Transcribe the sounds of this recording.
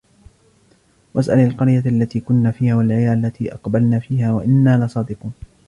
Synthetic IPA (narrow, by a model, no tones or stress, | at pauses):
wʔasʔalalqɑɾjaʔlːat̪iːkʊnːaːfiːhaːwalʕajaːʔalːat̪ʰiːʔɑqbalnaːfiːhaːwaʔɪnːaːlɑsˤɑːd̪ɪquːn